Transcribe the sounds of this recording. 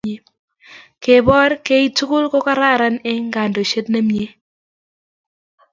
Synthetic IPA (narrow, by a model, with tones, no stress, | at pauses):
e˨ | ke˨bɔ˦ɾke˦i˦tu˦kʊ˦lkɔ˦ka˦ɾa˦˨ɾa˦nɛ˦ŋɡa˨ndo˨ʃe˦tna˦mje˦